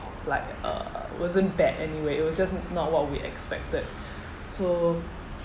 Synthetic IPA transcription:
laɪkʌ̰wʔɔzə̃nbɛdɛniweɪt̚wɔsd͡ʒasnɔt̚wɔt̚wiʔɛ̰kspɛk̚təd̚ | so

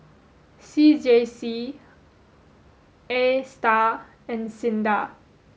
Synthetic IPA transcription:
sid͡ʒesi | esta | ɛ̃nsĩnda

